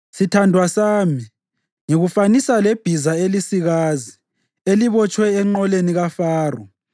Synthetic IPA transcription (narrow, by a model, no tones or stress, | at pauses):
sitʰandʱwasaːmi | ŋiɣufanisaleb̥ʱizaelisiɣaːzi | eliβɔt͡ʃʼwɛːŋ͡ǃɔleniɣafaːrɔ